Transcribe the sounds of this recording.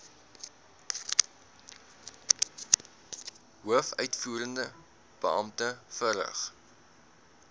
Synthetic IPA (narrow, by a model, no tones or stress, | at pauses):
ɦuəfœɥtfuːɾəndə | b̥əɐmtəfəɾə̰χ